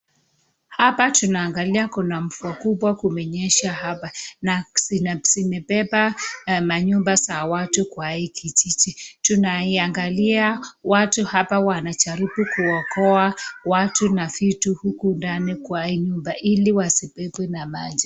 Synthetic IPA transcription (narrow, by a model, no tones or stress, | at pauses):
hapatunaːŋɡaliakunam̩fuakuɓwakumɛɲɛʃahapanasisimɛpɛpamaɲumbasawatukwaikʰit͡ʃit͡ʃitunaiaŋɡaliawatuhapawanat͡ʃaɾipukuwakɔawatunafituhukundanikwaiɲumbaʔiliwasipɛpwɛnamad͡ʒi